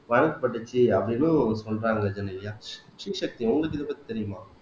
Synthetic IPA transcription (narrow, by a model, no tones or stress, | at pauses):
ʋɐɳɐkːɯpːɐʈːɯt͡ʃːɯɐpːɐɽinũsɔnɾaːŋɡɐd͡ʒɐnːɐʋɪjaːʂiʂɐk̚t̪iʊŋɡɐɭɯk̬ːɪðɐpːɐt̪ːit̪ɛɾɪjʊmaː